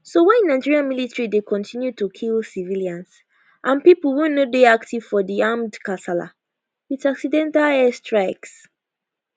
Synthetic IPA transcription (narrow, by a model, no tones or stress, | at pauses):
sowɛ̃ñnːaɪd͡ʒiɹiãnmilitɹidekʰɔ̃ntʰĩnjutukʰilˠsiviliãns | ʔãnpipl̩wũnodeaktiv̥fɔdiãmdkasala̰ | itaksidɛ̃ntalɛstʰɹaɪks